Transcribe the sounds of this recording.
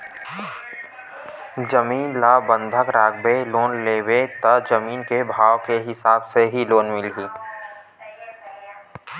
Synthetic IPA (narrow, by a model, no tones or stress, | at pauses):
d͡ʒəmiːnlaːbə̃nd̪ʱəkɾaːɡ̚beloːnleːwet̪ɐd͡ʒəmiːnkebʱaːʋkeɦɪsaːbseɦiloːnmɪlɦiː